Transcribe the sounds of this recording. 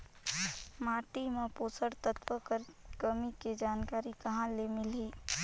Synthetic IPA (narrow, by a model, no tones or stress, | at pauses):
maːʈimepoːsəɽt̪ət̪pəkəɾkəmiked͡ʒaːnkaːɾikəɦãlemɪlɦiː